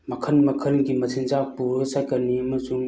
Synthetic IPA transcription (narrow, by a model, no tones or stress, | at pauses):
mɐkʰəlmɐkʰəlɡimɐtʰinzak̚puɾsajkɐɾniɐmɐsuŋ